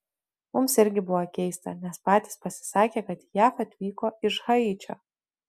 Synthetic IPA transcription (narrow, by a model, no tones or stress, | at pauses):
mʊmsɪɾʲɡʲɪbʊʋoːkʲɛɪst̪ɐ̰nʲɛspɑːt̪ʲiːspɐsʲɪ̥sɑːkʲeːkɐt̪jæːfɐt̪ʲʋʲiːkoːɪʃɣɐit͡ʃʲo̰ː